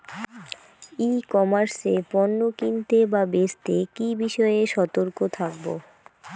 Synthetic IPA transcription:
ikɔmaɾsepɔnːokint̪ebabest̪ekibiʃɔeeʃɔt̪oɾkot̪ʰak̚bo̰

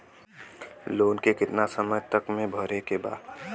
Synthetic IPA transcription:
loːnkekɪt̪nasəməjt̪əkmẽbʱəɾekeba̰ːd̪

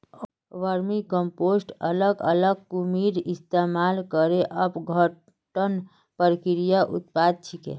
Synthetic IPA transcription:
ʋəɾmikəmposʈələɡə̰ləɡ̚kumiɾist̪emalkəɾeʔəpɡʱə | ʈən | pəɾkiɾijaʔṵt̪̚pad̪̚t͡ʃʰikḛ

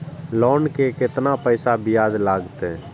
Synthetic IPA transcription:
lɔːnkekɪt̪napəɪsabɪjaːd͡ʒlaːɡt̪ɛ

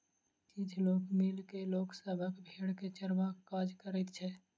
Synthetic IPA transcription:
kid͡ʒʰloːkmilkeloːksəbʱəkbʱeːɽket͡ʃəɾʋakːaːd͡ʒkəɾit̪t͡ʃʰɛː

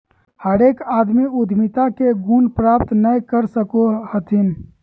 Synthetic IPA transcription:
həɾeːkaːd̪miʊd̪ʱmit̪akeɡunpɾaːp̚t̪nəjkəɾsəkohət̪ʰin

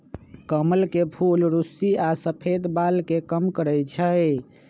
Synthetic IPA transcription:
kəməlkepʰulɾusiasəpʰed̪balkekəmkəɾɛjt͡ʃʰə

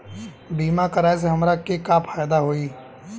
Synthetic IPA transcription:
biːmakəɾaːes̬eɦɐmɾakekapʰaːjd̪aɦoːiː

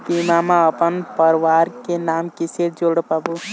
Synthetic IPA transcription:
pimamãəpənpəɾʋaɾkenamkiseɾd͡ʒoɽpəbu

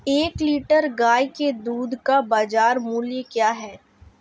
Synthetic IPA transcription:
eːkliːʈəɾɡaːjked̪uːd̪kabaːd͡ʒaːɾmuːljəkjaːɦɛː

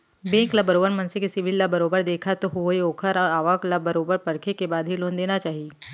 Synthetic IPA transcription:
bẽːklabəɾoːbəɾmɐ̃nsekesɪbʱɪlːabɐɾoːbəɾd̪eːkʰat̪oɦoeoːkʰəɾaːʋaklabɐɾoːbəɾpɐɾkʰekebaːd̪ʱɦiloːnd̪eːnat͡ʃaːɦieː

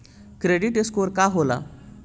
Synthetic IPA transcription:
kɾeɽiʈeskoɾkaɦola̰

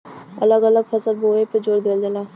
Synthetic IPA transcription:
ə̰ləɡələɡpʰəsəlboːepəd͡ʒoːɾd̪eːld̪elaː

